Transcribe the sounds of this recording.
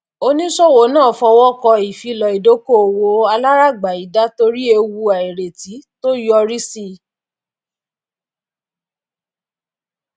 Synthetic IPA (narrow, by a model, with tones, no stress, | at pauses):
o˧nĩ˦ʃɔ˦˨wo˨˦nãː˦˨fɔ˧wɔ˦kɔ˧i˨fi˨˧lɔ˨i˨do˨˦ko˦˨wo˨˦a˧la˦ɾa˦˨ɡ͡ba˨i˨˦da˨˦to˧ɾi˦e˧wu˧a˨i˨ɾe˨ti˨˦to˦jɔ˧ɾi˦si˦